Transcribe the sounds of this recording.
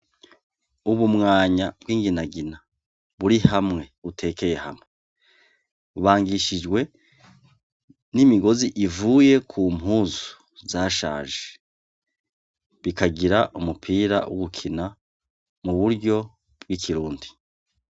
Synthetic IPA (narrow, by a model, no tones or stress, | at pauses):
uβumŋaːɲabɡwiːŋɡinaɡina | βuɾihamŋe̞utʰe̞ːke̞je̞ha̰mŋe | uβaːŋɡiʃid͡ʒɡwe̞ | nimiɡo̞ziʔivuːje̞kʰumɦuːzu̥ | zaːʃa̰ːʒe | βikaɡiɾaʔumupʰiːɾa̰wʔo̰ɡukʰina | muβuɾɟo̞ | b̥wikʰiɾuːndi